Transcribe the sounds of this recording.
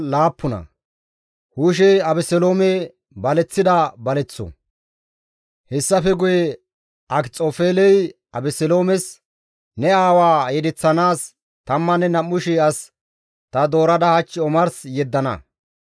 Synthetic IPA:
laːpːʊnɐ̰ | huːʃ̬ɛɐbɛsɛlo̞ːmɛ | bɐlɛt͡sːɪd̪ɐbɐlɛt͡sːɔ̰ | hɛsːɐfɛɡʊjɛ | ʔɐkt͡sʼoːfeːlɛj | ɐbɛsɛlo̞ːmɛs | nɛaːwaːjɛd̪ɛt͡sːɐnaːs | t̪ɐmːɐnːɛnɐmːʊʃɪɐs | t̪ɐd̪o̞ːɾɐd̪ɐhɐt͡ʃːɪɔmɐɾsjɛd̪ːɐnɐ̰

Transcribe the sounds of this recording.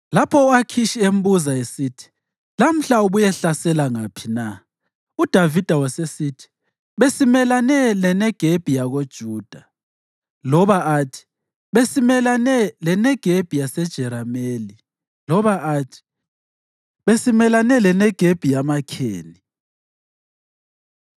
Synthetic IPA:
lapʰɔakʰiʃiem̩buzaesitʰi̥ | lam̩ɬauβujɛɬasɛlaŋapʰina | ud̥ʱavid̥ʱawɔsesitʰi̥ | βesimɛlanɛlɛnɛɡ̥ʱeb̥ʱijaɣod̥ʒ̥ʱuːd̥ʱa | lɔβaatʰi̥ | βesimɛlanɛlɛnɛɡ̥ʱeb̥ʱijasɛd̥ʒ̥ʱɛɾameːli | lɔβaʔatʰi̥ | βesimɛlanɛlɛnɛɡ̥ʱeb̥ʱijamakʰḛːni

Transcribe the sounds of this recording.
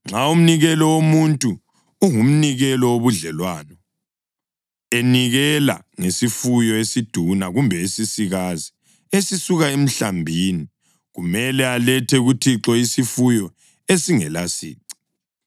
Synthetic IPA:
ŋ͡ǁaum̩niɣɛlɔwomuntʼuː | ŋum̩niɣɛlɔwoβuɮɛlwaːnɔ | eniɣɛla̰ | ŋesifujɔesid̥ʱunaɣumbʱɛesisiɣazi | esisuɣaem̩ɬambʱini | ɣumɛlɛalɛtʰɛɣutʰiǁɔisifujɔ | esiŋɛlasḭːǀi̥

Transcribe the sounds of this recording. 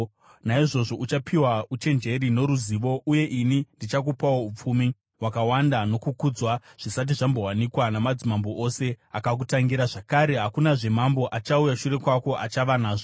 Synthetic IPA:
naiʐo̞ʐo̞ʔut͡ʃapʰiwaut͡ʃe̞nd͡ʒe̞ɾino̞ɾuziːʋo̞ʔuje̞ʔinindit͡ʃak̬upawo̞up͡fumi | wakawandano̞kukud͡zwaʐ̥isat̬iʐambo̞wanikwanamad͡zimambo̞ʔose̞akak̬utaŋɡiɾaʐakaɾe̞ɦakunaʐe̞mambo̞ʔat͡ʃaujaʃure̞kwako̞ʔat͡ʃaʋanaːʐo

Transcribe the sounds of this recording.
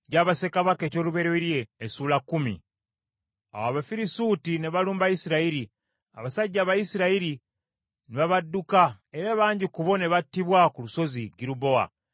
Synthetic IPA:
ɟaːβase̞kaβake̞ːco̞ːluβe̞ɾweɾje̞ːsuːlakːumḭ | a̰waβafiɾisutine̞βaluːmbajisiɾaiɾi | a̰βasaɟːaːβajisiɾaiɾi | neβaβadːukae̞ɾaβaːɲɟikuβo̞ne̞βatːiβwakuluso̞ziɡiɾuβo̞a̰

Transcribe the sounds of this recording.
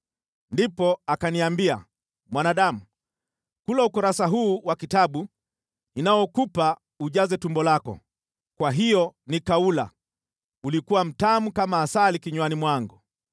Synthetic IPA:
ndipɔakaniambia̰ | mwanaɗamu | kulaukɔɾasaɦuːwakitaɓu | inajɔkupa | uʄazɛtumbɔlakɔ̰ | kwaɦijɔnikaula̰ | ulikuwam̩tamukamaːsalikiɲwanimwaŋɡu

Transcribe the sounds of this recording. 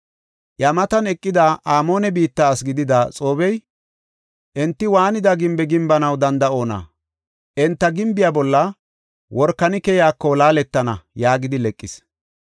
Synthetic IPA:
jamɐt̪ɐnɛkʼːɪd̪aʔaːmo̞ːnɛbiːt̪ːaːsɡɪd̪ɪd̪at͡sʼo̞ːbɛj | ʔɛnt̪ːɪwaːnɪd̪ɐɡɪmbɛɡɪmbɐnɐwd̪ɐnd̪ɐo̞ːnɐ̰ | ʔɛnt̪ːɐɡɪmbɪjabɔlːɐ | wɔɾkːɐnɪkɛjaːkːɔlaːlɛt̪ːɐnɐjaːɡɪd̪ɪlɛkʼːɪs

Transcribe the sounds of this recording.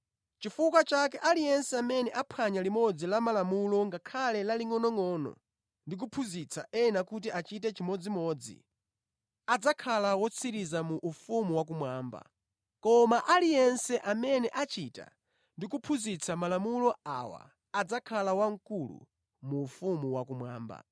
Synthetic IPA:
t͡ʃifukwat͡ʃakɛʔalijɛnsɛamɛnɛʔapʰaɲalimɔd͡zilamalamulɔŋɡakʰalɛlaliŋɔnɔŋɔnɔ̰ | ndik̬upʰuzit͡sʰa̰ʔɛnakut̬iʔat͡ʃit̬ɛt͡ʃimɔd͡zimɔːd͡zḭ | ad͡zakʰalawɔt͡sʰiɾizamuʔːfumuwak̬umwaːmba̰ | kɔmaʔalijɛnsɛʔamɛnɛʔat͡ʃita̰ | ndikupʰuzit͡sʰamalamulɔa̰wa̰ː | d͡zakʰalawaŋkulṵ | muːfumuwakumwa̰ːmba̰

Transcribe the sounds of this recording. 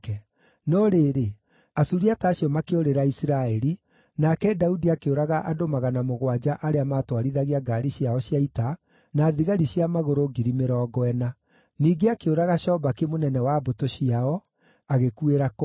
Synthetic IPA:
kɛ | nɔɾeːɾe | asuɾiataːɕiɔmakeoɾeɾaisiɾaɛɾi | nakɛdaudiakeoɾaɣaʔadomaɣanamoɣwad͡ʑaʔaɾeamatwaɾiðaɣiaɡaɾiɕiaɔɕjaita | naːðiɣaɾiɕjamaɣoɾoɡiɾimeɾɔːɡɔɛna | niːɡeakeoɾaɣaʃɔːbakemonɛnɛwabotoɕiaɔ | aɣekueɾak

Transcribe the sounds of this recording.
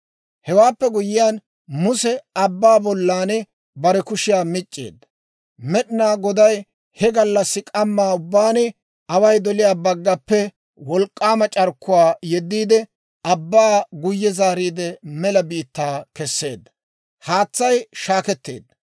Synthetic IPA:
hɛwaːpːɛɡʊjɪjaːn | mʊsɛɐbːaːbɔlːaːnɛ | bɐɾɛkʊʃɪjaːmɪt͡ʃʼːḛːd̪ːɐ̥ | mɛɗɪnaːɡɔd̪ɐj | hɛɡɐlːɐsːɪkʼɐmːaːʊbːaːnɛ | ɐwɐjd̪ɔlɪjaːbɐɡːɐpːɛ | wɔlkʼːaːmɐt͡ʃʼɐɾkːʊwaːjɛd̪ːiːd̪ɛ | ɐbːaːɡʊjːɛzaːɾiːd̪ɛmɛlɐbiːt̪ːaːkɛsːe̞̰ːd̪ːɐ | haːt͡sːɐjʃaːkɛt̪ːḛːd̪ːɐ

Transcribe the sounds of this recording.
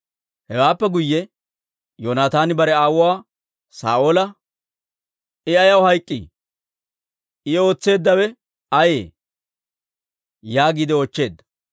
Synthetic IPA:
hɛwaːpːɛɡʊjːɛ | joːnaːt̪aːnɪbɐɾɛaːwʊwaː | sa̰ːʔoːlɐ | ɪɐjɐwhɐjkʼːḭ | ɪo̞ːt͡sːe̞ːd̪ːɐwɛ | ɐjḛː | jaːɡiːd̪ɪot͡ʃːe̞ːd̪ːɐ̥

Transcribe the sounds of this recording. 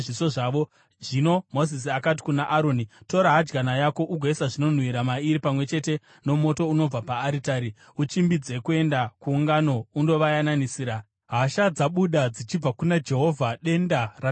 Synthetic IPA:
ʐisoʐaʋo | ʐino̞mo̞zis̬iakati̥kunaʔaɾo̞nito̞ɾaɦad͡ʒɡanajako̞ʔuɡʱoisaʐino̞n̤wiɾamaiɾipamwe̞t͡ʃe̞te̞ | no̞mo̞to̞uno̞b͡vapaːɾitaɾi | ut͡ʃimbid͡ze̞kue̞ndakuːŋɡano̞undo̞ʋajananisiːɾa | ɦaʃad͡zaɓuɗad͡zit͡ʃib͡vakunad͡ʒe̞ɦo̞vʱaɗe̞ndara

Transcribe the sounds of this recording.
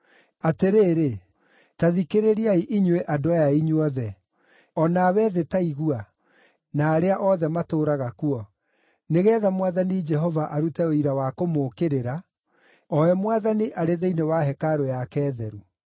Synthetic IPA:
ateɾeːɾe | taðikeɾeɾiaiʔiɲweʔadoajaiɲuɔðɛ | ɔnaːwɛːðetaiɣua | naːɾeaʔɔðɛmatoːɾaɣakuɔ | neɣɛːðamwaðanid͡ʒɛɦɔvaʔaɾutɛoiɾawakomoːkeɾeɾa | ɔɛmwaðaniʔaɾeðeinewaɦɛkaɾojakɛːðɛɾu

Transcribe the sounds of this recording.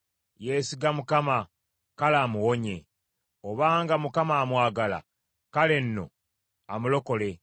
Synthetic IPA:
jeːsiɡamukama | kalaːmuwo̞ɲe̞̰ | oβaːŋɡamukamaːmwaːɡala̰ | kale̞nːo̞̰ | amulo̞ko̞le̞

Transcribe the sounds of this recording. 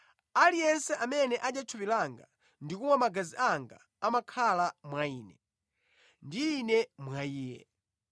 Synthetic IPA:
alijɛnsɛʔamɛnɛʔaɗat͡ʃʰupilaŋɡa̰ | ndikumwamaɡaziʔaŋɡa̰ːmakʰalamwaiːnɛ | ndiːnɛmwaiːjɛ̰

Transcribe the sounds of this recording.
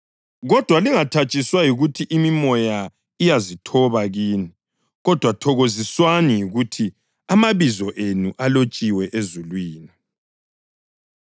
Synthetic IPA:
ɣɔd̥ʱwaliŋatʰat͡ʃʼiswajiɣutʰiʔimimɔja | ijazitʰɔβaɣiːni | ɣɔd̥ʱwatʰɔɣoziswanijiɣutʰi | amaβizɔʔenuʔalot͡ʃʼiwɛʔezulwiːni

